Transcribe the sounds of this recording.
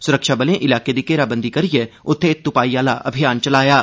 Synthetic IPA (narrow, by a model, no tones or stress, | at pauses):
sʊɾəkʃaːbəlẽʔɪlaːked̪iːkeːɾaːbə̃nd̪ikɐɾɪeʊt̪ʰːẽt̪ʊpaːiːaːlaʔɐ̰bʱɪjaːnt͡ʃɐlaːjaː